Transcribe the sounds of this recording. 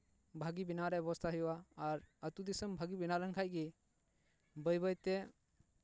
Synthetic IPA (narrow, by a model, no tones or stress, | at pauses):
bʱaɡibinaɾɛbɔɔst̪ʰaɦɛjwaːɾət̪ud̪isəmbʱaɡibinalənkʰajɡi | bəjbəjt̪ɛ